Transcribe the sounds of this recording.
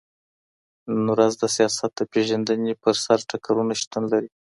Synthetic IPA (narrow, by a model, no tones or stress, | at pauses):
nnuɾazd̪əsijɑsat̪̚d̪əpeʒand̪ənepəɾsaɾʈakaɾunaʃt̪unlaɾi